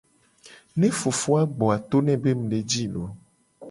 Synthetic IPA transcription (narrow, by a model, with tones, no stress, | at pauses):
nɛ̃˦fo˨fo˦a˦ɡ͡bɔ˨a˨t̪o˦nɛ̃˨be˦mũ˨ɖe˨d͡ʒi˦lo˨˦